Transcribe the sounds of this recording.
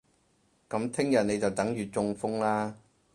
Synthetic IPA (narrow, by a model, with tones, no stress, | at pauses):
kɐ˨˥mt̪ʰɪ˥ŋjɐ˨n̚ne˨˧jt͡sɐ˨wt̪ɐ˨˥ŋjyː˨t͡sʊ˧ŋfʊ˥ŋlaː˥